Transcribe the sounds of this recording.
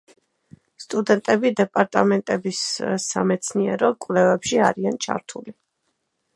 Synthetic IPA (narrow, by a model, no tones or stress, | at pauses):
st̪ʼud̪ɛnt̪ʼɛbid̪ɛpʼaɾt̪ʼamɛnt̪ʼɛbissːamɛt̪sʰniɛɾɔkʼvlɛvɛpʃiaɾiant͡ʃʰa̰ɾt̪ʰuli